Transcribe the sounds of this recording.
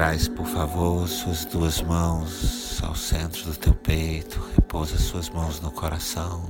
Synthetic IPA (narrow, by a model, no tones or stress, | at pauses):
ɾajspoɾfavoɾsuɐzd̪uɐzmɐ̃w̃sa̰wsẽnt̪ɾʊd̪ʊt̪ewpejt̪ʰʊ̥hepowzɐsuɐzmɐ̃w̃znʊkʰoɾasɐ̃w̃